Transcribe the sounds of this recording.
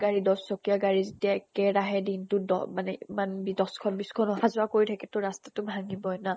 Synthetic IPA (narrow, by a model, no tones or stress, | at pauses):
ɡaɹidɔsːɔkijaɡaɹizetijaɛkɛɹaɦɛdintʊdɔ̰manɛimanbidɔskʰɔnbiskʰɔnɔɦazʊɹakoɹitʰakɛtʊɹastatʊbʱaŋibɔna